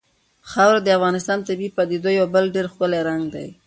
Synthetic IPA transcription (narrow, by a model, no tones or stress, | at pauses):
xɑwɾad̪əafɣɑnɪst̪ɑnt̪abipɑd̪ed̪ojawbəlɖeɾxkəleɾaŋɡd̪a̰j